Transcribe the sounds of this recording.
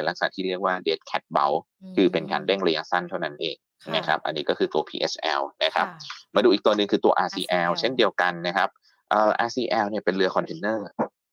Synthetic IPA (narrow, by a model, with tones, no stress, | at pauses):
la˦˥k̚sa̰˨˩t̪ʰiː˥˩i˥˩ək̚waː˥˩deː˦˥t̪̚kʰɛ˦˥t̪̚ba̰˦˥w | kʰɯː˧pe˧nkaː˧nɾɛ˥˩ŋɾa˧ja˧sa˥˩nt̪ʰa˥˩wna˦˥nʔeː˨ŋ | na˦˥kʰa˦˥p̚ʔa̰˧nːiː˦kɔː˥˩kʰɯː˧ʔoː˧pʰḭː˧ʔḛ˦˥sʔɛ̰ː˧wna˦˥kʰa˦˥p̚maː˧du˧ʔi˨˩k̚t̪ːənːɯ˧ŋkʰɯː˧t̪u˧ɐʔaː˧siː˧ʔɛː˧wt͡ɕʰe˥˩ndi˧əwka˧nːa˦˥kʰa˦˥p̚ | ʔɤː˧˩ʔaː˧siː˧˩ʔɛː˧wni˥ɐpe˧nɾɯ˧ɐkʰɔ˧nt̪ʰeː˧nːɤː˥˩